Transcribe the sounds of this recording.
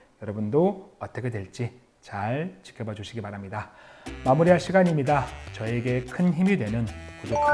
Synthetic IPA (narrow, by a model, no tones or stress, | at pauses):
jʌɾʌbundoʌt͈ʌkʰe̞dwe̞ɭt͡ɕ͈i | t͡ɕaɭt͡ɕi̥kʰjʌbʌd͡ʑuɕʰiɡibaɾamɲidamamuɾiɦaɭɕʰiɡaɲimɲidat͡ɕʌe̞ɡe̞kʰɯnçimidwe̞nɯnkudotʰ